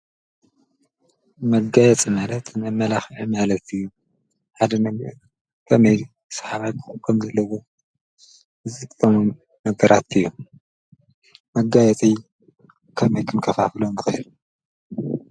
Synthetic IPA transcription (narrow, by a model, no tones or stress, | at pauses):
mɐɡajɛt͡sʼimalɐt̪nɐmɐlaxʕimalɐt̪ɨjːu | ħad̪ɐm | kʰɐmɐj | sɐ̥ħaβajkʰɨxʼkʼʰːɐmzɐlːɐwo̞ | ɨzʼɨkʼɐmoː | ɐɡɐɾat̪ɨjːu | mɐɡajɛt͡sʼij | kʰɐmɐjkʰɨnkʰɐfafɨlondɨxɨjl